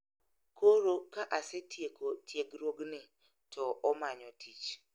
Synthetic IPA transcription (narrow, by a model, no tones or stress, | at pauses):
kʰoɾokaʔasettjeɡɾoɡnɪ | tʰɔɔmaɲɔtʰit͡ʃ